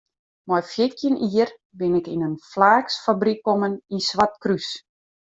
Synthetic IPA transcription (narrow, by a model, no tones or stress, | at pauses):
mɔjfjɪtʰjənʔiər | bɪnɪkinənflaːksfabrikːoməninsʋatkrys